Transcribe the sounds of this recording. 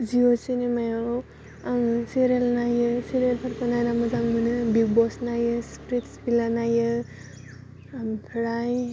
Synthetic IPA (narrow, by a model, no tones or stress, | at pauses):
ziosenemaja | amseɾelnajɯseɾelpʰaɾpʰanajɾamɯzaŋmɯnɯbiɡ̚bɔsnajɯspɾitsbilanajɯ | mpʰɾaj